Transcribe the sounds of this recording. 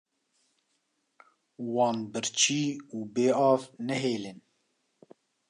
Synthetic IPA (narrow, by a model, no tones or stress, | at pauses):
wɑːnbɨɾt͡ʃʰiːuːbeːɑːvnɛɦeːlɪn